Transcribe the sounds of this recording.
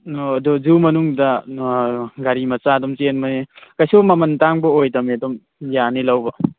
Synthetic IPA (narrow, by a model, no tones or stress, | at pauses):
nodɔzumɐnuŋdɐ | ɡaɾimɐt͡ʃadɔmt͡ʃenmɐnekajsumɐmɐntaŋbɔojdɐmedɔm | janilawbɐ